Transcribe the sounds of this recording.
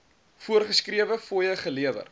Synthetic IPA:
fuərχəskriəvəfuəjəχəliəvə̰r

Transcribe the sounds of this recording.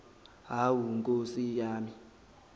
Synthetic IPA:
ɦawuŋkʼosijaːmi

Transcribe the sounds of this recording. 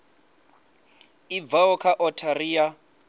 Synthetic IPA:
ivaɔkʰaʔɔtʰaɾiːa

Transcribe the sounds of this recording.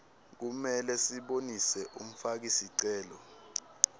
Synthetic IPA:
k̬umɛlɛsiɓonisɛʔum̩fak̬isiǀɛːlɔ

